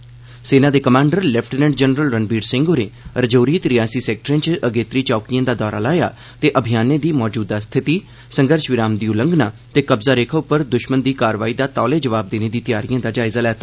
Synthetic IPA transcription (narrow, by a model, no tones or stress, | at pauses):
seːnaːd̪eːkəmãːɳɖəɾlɛpʰʈənɛ̃ɳʈd͡ʒɛnɾəlɾənbiːɖsɪ̃ŋɡoːɾeːɾəd͡ʒoːɾiːt̪ɾɪjaːsiːsɛːk̚ʈɾẽːt͡ʃəɡeːt̪ɾiːt͡ʃɔːkijãːd̪aːd̪ɔːɾaːlaːja̰ː | t̪eːʔəbʱijaːnẽːd̪iːmɔːd͡ʒuːd̪aːst̪ʰɪt̪iː | səŋɡəɾʃʋɪɾaːmd̪iːʊləŋɡnaːt̪eːkəbzaːɾeːkʰəʊpːəɾd̪ʊʃmənd̪iːkaːɾʋaːiːd̪aːt̪ɔːleːd͡ʒəʋaːb̚d̪eːneːd̪iːt̪ɪjaːɾijãːd̪aːd͡ʒaːɪzaːlɛːt̪ʰaː